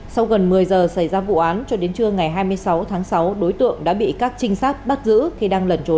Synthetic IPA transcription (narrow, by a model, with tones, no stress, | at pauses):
sa˧wɣə˨˩nmɨ˨˩əjzəː˨˩sa˧˩jzaː˧vṵ˧˨ʔaː˨˦nt͡ɕɔ˧ɗe˨˦nt͡ɕɨ˧əŋa˨˩jɦaː˧jmɨ˧əjsa˨˦wt̪ʰaː˨˦ŋsa˨˦wɗo˨˦jt̪ɨ̰˧˨əŋɗa̰ː˧˥ɓḭ˧˨kaː˦˥k̚t͡ɕï˧ŋ̟saː˦˥k̚ɓa˦˥t̚zɨ̰˧˥xi˧˩ɗaː˧ŋlə˨˩nt͡ɕo˨˦